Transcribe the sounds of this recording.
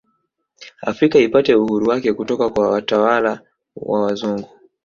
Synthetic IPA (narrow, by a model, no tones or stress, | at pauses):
a̰fɾikaipatɛuhuɾuwakɛkutɔkakwawatawala | wa̰wazuŋɡu